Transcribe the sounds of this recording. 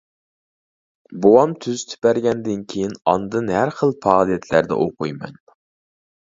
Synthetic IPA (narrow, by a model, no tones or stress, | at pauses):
bowɑmt̪ʰyzt̪ʰy̥pæɾɡʲɛnd̪ɪnkʲʰejinɑ̰nd̪ɨnhæɾχəlˠpʰɑːlˠijɛt̪ʰlæɾd̪ɛ̰ʔoqujmɑ̰n